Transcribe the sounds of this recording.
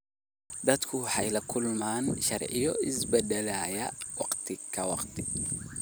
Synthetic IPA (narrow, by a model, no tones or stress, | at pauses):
d̪ɐd̪kʰʊħɑjlɐkʰʊlmaːnʃɐrʕɪ̰jɔ̰ɪsbɛd̪ɐlaːjɐwɑqt̪ʰɪkʰɐwɑqt̪ʰɪ̥